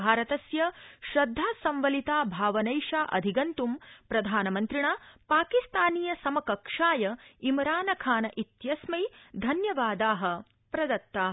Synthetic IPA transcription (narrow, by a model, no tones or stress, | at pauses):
bʱaːɾɐt̪ɐsjɐʃɾɐd̪ʱːaːsɐ̃mʋɐlit̪aːbʱaːʋɐnɐjʂaːʔɐ̰d̪ʱiɡɐnt̪umpɾɐd̪ʱaːnɐmɐnt̪ɾiɳaːpaːkist̪aːniːjɐsɐmɐkɐkʂaːjɐimɾaːnɐkʰaːnɐʔit̪jɐsmɐjd̪ʱɐnjɐʋaːd̪aːɦɐ̆ | pɾɐd̪ɐt̪ːaː